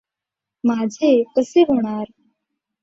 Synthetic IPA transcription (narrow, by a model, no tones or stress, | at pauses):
maːd͡ʑʱek̪əseɦoɽ̃aːɾ